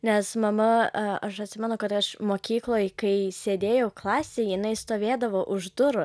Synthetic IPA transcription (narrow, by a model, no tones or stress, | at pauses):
nʲɛsmɐmɐɐʃɐtʲsʲɪmʲɛnʊkɐt̪ɐʃmoːkʲiːklˠoːjkɐɪsʲeːd̪ʲeːjɛʊklˠɑːsʲeːɪnɐɪst̪oːʋʲeːd̪ɐʋoːʔʊʒd̪ʊɾʊ